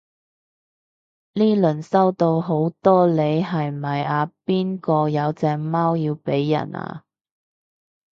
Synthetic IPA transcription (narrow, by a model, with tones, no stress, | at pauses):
liː˥lɵ˨˩nsɐ˥wt̪o˧wɦo˨˥wt̪ɔː˥le˨˧jɦɐ˨jmɐ˨˩jaː˨˧piː˥nkɔː˧jɐ˨˧wt͡sɛː˧ŋmaː˥wjiː˧wpe˨˥jːɐ̰˨˩na̰ː˧